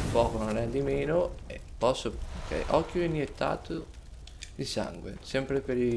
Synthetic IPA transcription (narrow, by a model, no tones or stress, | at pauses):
pɔːkononɛd̪imeːnoepːɔsːookɛ̰jʔɔkːjoinjet̪ʰːa̰ːt̪o | d̪isa̰ŋɡwḛsɛmpɾepeɾi